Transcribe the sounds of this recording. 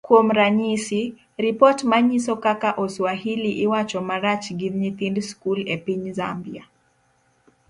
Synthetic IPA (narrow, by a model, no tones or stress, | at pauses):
kuɔm̩ɾaɲisi | ɾipɔtmaɲisɔkakaʔɔswahiliʔiwat͡ʃɔmaɾat͡ʃɡiðɲiθindskulɛpiɲza̰mbia